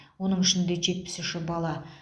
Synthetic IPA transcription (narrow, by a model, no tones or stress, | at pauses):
wo̞nəɴɪʃɪnd̪e̞ʒe̞t̪̚pɪ̥sɪʃɪbɑlˠɑ